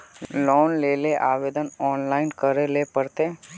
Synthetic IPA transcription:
lɔːnleːleʔaːʋeːd̪ənɔːnlaːɪnkəɾelepəɾt̪e

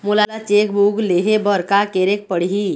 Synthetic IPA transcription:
mulalat͡ʃek̚bʱuɡleɦebəɾkakeɾek̚pəɽɦi

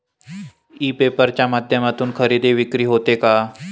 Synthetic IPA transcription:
iːpepəɾt͡ɕamaːd̪ʱjəmat̪uːnkʰəɾid̪eʋikɾiːɦot̪eka

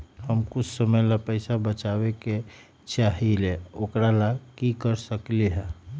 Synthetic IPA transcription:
həmkut͡ʃʰsəməjlapəɪsabət͡ʃaβeke | t͡ʃaɦileokɾalakikəɾsəkliɦɛ̃

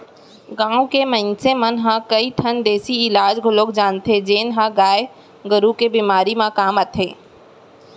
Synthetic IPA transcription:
ɡãːʊ̃kemɐ̃nsemɐnɦãkɐit̪ʰɐnd̪eːsiɪlaːd͡ʒɡʱʊlokd͡ʒaːnt̪ʰed͡ʑeːnɦãɡaːe | ɡɐɾukebimaːɾimãkaːmət̪ʰeː

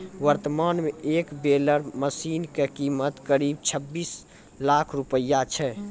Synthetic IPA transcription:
wəɾt̪əmanmeekbeləɾməsinkekimət̪kəɾib̚t͡ʃʰəbːis | lakʰɾupəjːat͡ʃʰɛ

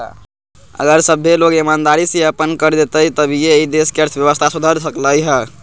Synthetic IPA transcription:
ə̰ɡəɾsəbʱːeloɡimand̪aɾisiəpənkəɾd̪et̪əjt̪əbʱijeid̪eskeəɾt̪ʰbjəʋəst̪ʰasud̪ʱəɾsəkləjɦə

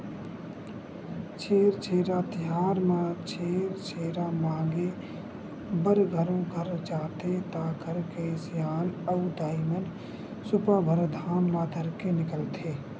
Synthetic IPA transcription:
t͡ʃʰeːɾt͡ʃʰeːɾat̪ɪjaːɾmãt͡ʃʰeːɾt͡ʃʰeːɾamãːɡe | bəɾɡʱəɾõɡʱəɾd͡ʒaːt̪et̪aːɡəɾkesjaːləwd̪aːimən | sʊpabʱəɾd̪ʱaːmlaːd̪ʱəɾkenɪkəlt̪ʰeː

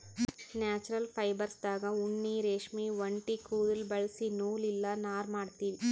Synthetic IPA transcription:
njaːt͡ʃuɾɐlpʰɐjbɐɾsd̪aːɡɐuɳːiɾeːʂmiːʋɐɳʈikuːd̪ɐlbɐɭsinuːlilːɐnaːɾmaːɖt̪iːʋi

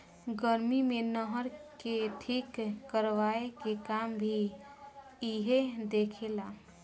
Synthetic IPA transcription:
ɡəɾmimenəɦəɾkeʈʰikːəɾʋaekekambʱi | iɦed̪ekʰela

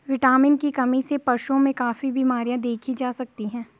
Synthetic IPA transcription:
ʋɪʈaːmɪnkikɐmisepɐɾʃõmẽkaːfibʱimaːɾijãd̪eːkʰid͡ʒaːsɐk̚t̪iɦɛ̃ː

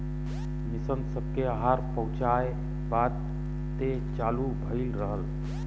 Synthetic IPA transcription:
misənsəb̚ʱkeaɦaɾpə̃ʊ̃t͡ʃae | bad̪̚ | t̪e | t͡ʃalubʱəɪlɾəɦəl

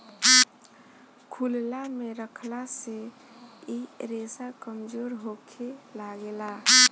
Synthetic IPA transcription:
kʰullameɾəkʰlase | iɾesakəmd͡ʒoɾɦokʰelaɡela

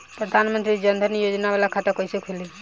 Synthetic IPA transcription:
pɾəd̪ʱanmənt̪ɾid͡ʒənd̪ʱənijod͡ʒnabalakʰat̪əkɔjsekʰuli

